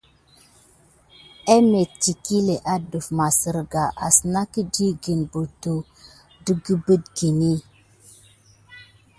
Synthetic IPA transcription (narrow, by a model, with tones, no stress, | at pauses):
e˦me˨t͡ʃi˨ki˦le˨ʔa˦du˨fma˨sə˨ɾɡa˨ʔa̰˨sna˦ki˦di˦ɡi˨nbu˨tu˨ | du˦ɡi˦bə˦dɡi˨ni˦